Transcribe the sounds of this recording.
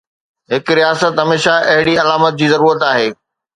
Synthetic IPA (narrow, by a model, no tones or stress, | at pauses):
ɦɪkɾijaːsət̪ɦɐmeːʃaʔɐɦɪɽiɐlaːmət̪̚d͡ʑiːzɐɾuːɾət̪aːɦeː